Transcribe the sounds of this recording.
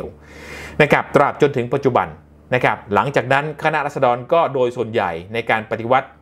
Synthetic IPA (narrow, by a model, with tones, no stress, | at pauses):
w | na˦˥˩kʰa˦˥p̚t̪ɾaː˨˩p̚t͡ɕo˧nt̪ʰɯ˩˦ŋpa˨˩t̪̚t͡ɕu˨˩ba̰˧n | na˦˥kʰa˦˥p̚la˩˦ŋt͡ɕaː˨˩k̚na˦˥nkʰa˧na˦˥ʔɾa˥t̪̚sa˧dɔː˧nkɔː˥˩doː˧jsu˨˩ənja̰˨˩jna˧jkaː˧npa˧t̪i˧˨wa˦˥t̪̚